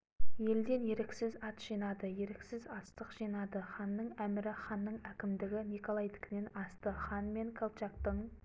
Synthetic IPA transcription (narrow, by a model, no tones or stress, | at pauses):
je̞ld̪e̞nje̞ɾeksɪzɑt̪ʒ̥ijnɑd̪əje̞ɾeksɪzɑst̪əqʒijnɑd̪əχɑnːəɴæmɪɾɪχɑnːəɴækʲɪmd̪ɪɡʲɪnikolˠajt̪ɪ̥kʲɪne̞nɑst̪əχɑnme̞ŋkʰolˠt͡ʃɑkt̪əɴ